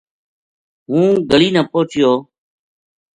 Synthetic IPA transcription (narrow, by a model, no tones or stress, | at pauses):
ɦũːɡəliːnãːpoːt͡ʃɪjoː